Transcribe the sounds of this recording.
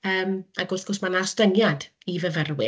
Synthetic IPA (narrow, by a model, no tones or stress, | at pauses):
əːmaɡʊrθɡ̥ɔsmanastənjad | ivəvərwɪ